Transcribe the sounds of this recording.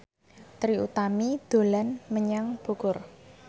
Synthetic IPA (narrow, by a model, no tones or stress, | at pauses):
t̪ɾiṵt̪amid̪̥o̤lanməɲaŋb̥o̤kʊr